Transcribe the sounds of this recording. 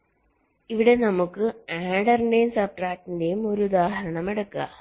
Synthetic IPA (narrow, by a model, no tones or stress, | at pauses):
iʋiɽe̞nɐmukːɯaːɖɐrɳɖejunsɐp̚ʈraːk̚ʈːindejumoɾud̪aːhɐɾɐɳɐmeɽɐkːɯa̰ː